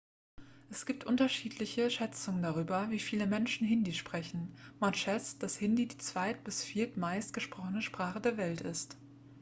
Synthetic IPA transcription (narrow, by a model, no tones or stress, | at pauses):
ʔɛsɡ̥iːp̚tʔʊntɐʃiːtʰlɪçəʃɛt͡sʊŋəndaʁ̞yːbɐviːfiːləmɛnʃn̩ɦɪndiʃpʁ̥ɛçn̩manʃɛt͡st̚d̥ashɪndidiːt͡sv̥aɪt̚b̥ɪsfiːɐtmaɪstɡ̥əʃpʁ̥ɔχənəʃpʁ̥aːχədeːɐvɛltɪst